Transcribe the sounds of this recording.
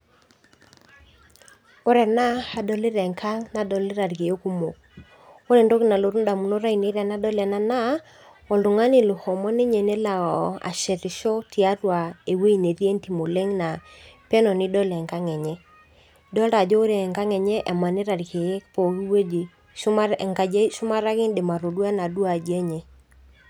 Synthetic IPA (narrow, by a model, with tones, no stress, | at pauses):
o˦ɾɛ˨na˦ha˨dɔ˨lɪ˦ɾɛ˨ŋkʰa˦ŋna˨dɔ˨lɪ˦ɾa˨ɾke˨e˦ku˦mo˨k | o˦ɾe˨ndo˦ki˦˨na˨lo˨ɾu˦nda˨mu˨no˦ɾa˦i˨ne˦ɾɛ˨na˦dɔ˦lɛ˨na˦na˦ | ɔ˨ldʊ˨ŋa˦nɪ˨lu˨hɔ˨mɔ˦ne˦ɲɛ˨nɛ˦la˨ɣɔ˨a̰˨ʃɛ˨ɾɪ˨ʃɔ˦ti˨a˦twa˨e˨we˦i˨ne˨ɾje˦nti˨mo˨le˦ŋna˨pɛ˦nɔ˨nɪ˦dɔ˦lɛ˨ŋka˦ŋɛ˨ɲɛ˦ | dɔ˦ɾa˨d͡ʒɔ˦o˦ɾe˨ŋka˦ŋɛ˨ɲɛ˦ʔɛ˨ma˨nɪ˦ɾa˨ɾke˨e˦po˨ki˦we˦d͡ʒe˨˦ | ma˨ŋka˨d͡ʒe˦ʃu˦ma˦ɾa˦kɪ˦ndɪ˨ma˨ɾo˨dwa˦na˨du˦a˨d͡ʒɛ˦ɲɛ˨